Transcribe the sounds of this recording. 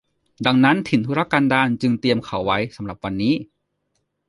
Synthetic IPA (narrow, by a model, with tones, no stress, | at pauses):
da˧ŋna˦˥nt̪ʰi˨˩˦nt̪ʰu˦˥ɾa˧˥kːa˧ndaː˧nt͡ɕɯ˧ŋt̪i˧əmkʰa˨˩˦wːa˦˥jsa˩˦mɾa˨˩p̚wa˧nːiː˦˥